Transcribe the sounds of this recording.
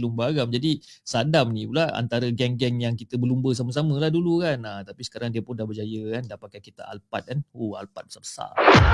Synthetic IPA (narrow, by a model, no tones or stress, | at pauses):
lumbəaɡamd͡ʒadisadamnĩpulaa̰nt̪aɾəɡɛŋɡɛŋjaŋkit̪əbəlumbəs̬aməs̬amə̃lahdulukanat̪apisə̥kaɾaŋdiəpʊndahbəd͡ʒajəkandapakajkit̪a̰ʔa̰lpat̪̚kanoa̰lpat̪̚bəsabə̥sa̰